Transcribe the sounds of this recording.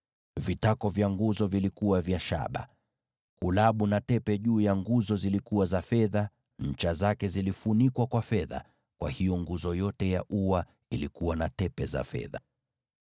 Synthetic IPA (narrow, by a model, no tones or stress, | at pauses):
vitakɔvjaŋɡuzɔvilikuwavjaʃa̰ɓa̰ | kulaɓunatɛpɛʄuːjaŋɡuzɔzilikuwazafɛða | ɲ̩t͡ʃazakɛzilifunikwakwafɛða̰ | kwʔa̰hijɔŋɡuzɔjɔtɛjaʔuwa | ilikuwanatɛpɛza̰fɛ̰ða̰